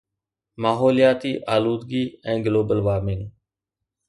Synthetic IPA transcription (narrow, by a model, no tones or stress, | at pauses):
maːɦoːlijaːt̪iːʔaːluːd̪ɡiːɛ̃ːɡloːbəlʋaːɾmɪŋ